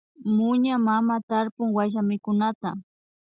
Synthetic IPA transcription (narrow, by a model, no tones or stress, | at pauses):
mʊɲamamat̪aɾpʊŋwaʒamɪkʊnat̪a